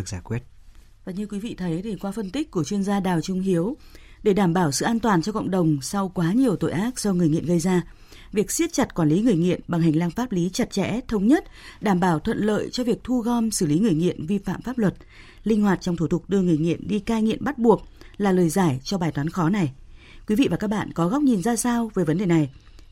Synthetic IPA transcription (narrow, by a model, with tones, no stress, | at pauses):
ɨ˨˩k̚zaː˧˩jkwi˦˥ət̚ | vaː˨˩ɲɨ˧kwi˨˦vḭ˧˨t̪ʰə˨˦jt̪i˨˩kwaː˨˦fə˧nt̪ï˦˥k̚ku˧˩ət͡ɕwi˧ənzaː˧ɗaː˨˩wt͡ɕʊ˨˧˦ŋ͡mɦi˨˦əw | ɗe˧˩ɗaː˧˩mɓaː˧˩wsɨ̰˧˨ʔaː˧nt̪waː˨˩nt͡ɕɔ˧kə̰˧˨wŋ͡mɗə˨˩wŋ͡msa˧wkwaː˨˦ɲi˨˩əwt̪o̰˧˨jʔaː˦˥k̚sɔ˧wŋɨ˨˩jŋḭ˧˨ənɣə˧jzaː˧ | vi˨˩ək̚si˦˥ət̚t͡ɕa˨˩t̚kwaː˧˩nli˨˦ŋɨ˨˩əjŋḭ˧˨ənɓa˨˩ŋɦa˨˩ŋ̟laː˧ŋfaː˦˥p̚li˨˦t͡ɕə˨˩t̚t͡ɕɛ̰˧˥t̪ʰə˨˦wŋ͡mɲə˦˥t̚ | ɗaː˧˩mɓaː˧˩wt̪ʰwə̰˧˨nlə̰ː˧˨jt͡ɕɔ˧vi˨˩ək̚t̪ʰu˧ɣɔ˧msɨ˧˩li˨˦ŋɨ˨˩əjŋḭ˧˨ənvi˧fa̰ː˧˨mfaː˦˥p̚lwə˨˩t̚ | lï˧ŋ̟hwaː˨˩t̚t͡ɕɔ˧wŋ͡mt̪ʰu˧˩t̪ʰʊ˨˩k̚ɗɨ˧əŋɨ˨˩əjŋḭ˧˨ənɗi˧kaː˧jŋḭ˧˨ənɓa˦˥t̚ɓu˨˩ək̚ | laː˨˩ləː˨˩jzaː˧˩jt͡ɕɔ˧ɓaː˨˩jt̪waː˨˦nxɔ˨˦na˨˩j | kwi˨˦vḭ˧˨vaː˨˩kaː˦˥k̚ɓa̰ː˧˨nkɔ˨˦ɣa˦˥wk͡p̚ɲi˨˩nzaː˧saː˧wveː˨˩˦və˨˦nɗe˨˩na˨˩j